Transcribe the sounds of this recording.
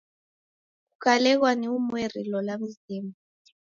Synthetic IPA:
kukʰalɛk̬waniumwerilɔlam̩ziːmu

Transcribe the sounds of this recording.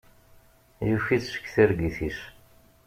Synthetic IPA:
jufiθʃə̥kːθiɾɡiθiʃ

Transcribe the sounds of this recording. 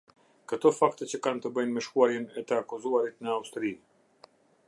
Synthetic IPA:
kət̪ɔfakt̪ɛt͡ɕəkant̪əbəjnmɛʃkuaɾjɛnɛt̪əakuzuaɾit̪̚nəaust̪ɾi

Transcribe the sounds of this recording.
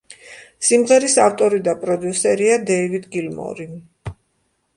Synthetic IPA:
simʁɛɾisaft̪ʼɔɾid̪apʼɾɔd̪jusɛɾiad̪ɛivid̪ɡilmɔ̰ɾi

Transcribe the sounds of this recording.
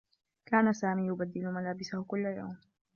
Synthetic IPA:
kaːnasaːmiːjʊbad̪ːɪlmalaːbɪsahʊkʊlːaja̰wm

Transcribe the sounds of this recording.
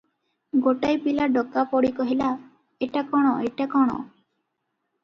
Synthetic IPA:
ɡoʈajpilaɖɔkapɔɽikɔɦila | eʈakɔɽ̃ɔeʈakɔɽ̃ɔ̰

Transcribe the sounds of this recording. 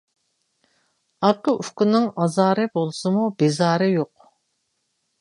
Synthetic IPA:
ɑqəʔyfkʲunɪŋɑzɑːɾɨbolˠsɨmubezɑːɾɨjoq

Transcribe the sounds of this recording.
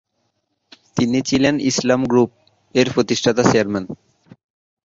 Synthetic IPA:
t̪init͡ɕilenislamɡɾup̚ | eɾpɾot̪iʃʈʰat̪at͡ɕeaɾman

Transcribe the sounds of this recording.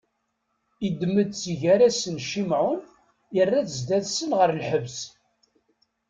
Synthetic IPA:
id̪məd̪̚t͡siʝæɾæsənʃimʕʊn | jərːæθəzd̪æðsənʁəɾlħəvs

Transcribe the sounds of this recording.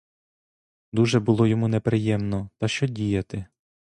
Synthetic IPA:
d̪uʒɛbʊlˠɔjɔmunepɾɪjɛmnɔt̪ɐʃt͡ʃɔdʲijɐt̪ɪ

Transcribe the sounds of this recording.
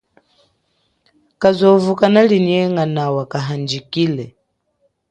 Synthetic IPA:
kazɔvukanaliniɛŋanawakaɦand͡ʒikilɛ

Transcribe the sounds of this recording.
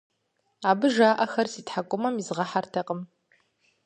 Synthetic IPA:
aːbɨʒaːʔɐxɐrsiːtħakʷʼʊmɐmizʁɐħartʰɐqʼəm

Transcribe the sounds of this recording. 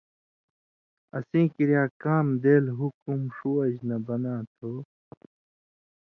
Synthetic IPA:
ɐ̰sĩːkiɾjaːkaːmd̪eːlɦukumʂuɐd͡ʑnɐbɐnaːt̪ʰo

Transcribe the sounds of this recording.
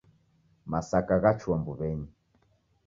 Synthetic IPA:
masakaɣat͡ʃwambuβɛɲi

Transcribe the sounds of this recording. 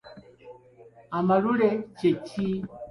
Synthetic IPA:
amaɾuɾet͡ʃet͡ʃʰi

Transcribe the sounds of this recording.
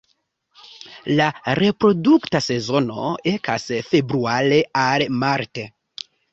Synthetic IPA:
laɾe̞pɾo̞duktase̞zo̞no̞̰eka̰sfe̞bɾuale̞almaɾte

